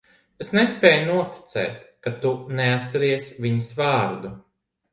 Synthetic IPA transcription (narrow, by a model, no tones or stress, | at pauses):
esnespɛːjnuɔt̪i̥t̪sɛ̰ːt̪kat̪unɛat̪sɛɾiɛsvʲiɲusvaːɾd̪u